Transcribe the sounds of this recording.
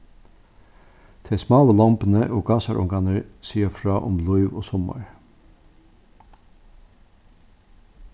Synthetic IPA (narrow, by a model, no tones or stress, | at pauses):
t̪ʰeːsmɑːʋəlɑmpənəʔoːɡɑːsɑɾʔʊ̰ŋɡɑnəsiːəfɾɑːʔʊmlɔʏʋo̰ːsɔmɑ̰ɹ